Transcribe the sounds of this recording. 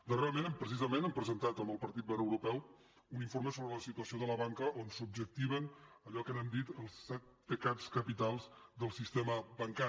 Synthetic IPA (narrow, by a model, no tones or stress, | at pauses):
d̪əreɾəmenəmpɾəsizəmenəmpɾəzənt̪at̪əmbəlˠpəɾt̪it̪̚bəɾəwɾupɛw | uniɱfoɾməsoβɾələsit̪uəsioðələβaŋkəʔonsub̚d͡ʒək̚t̪iβ̞ən | əʎɔkənəmd̪it̪əlˠsːɛt̪̚pəkaskəpit̪alˠzd̪əlˠsist̪eməβəŋka